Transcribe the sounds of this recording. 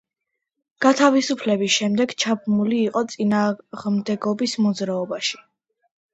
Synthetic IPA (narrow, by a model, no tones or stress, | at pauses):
ɡ̥at̪ʰavisupʰlɛbisʃɛmd̪ɛɡt͡ʃʰabmuliːqʼɔt̪sʼinaːʁmd̪ɛɡɔbismɔd̪zɾaɔbaʃi̥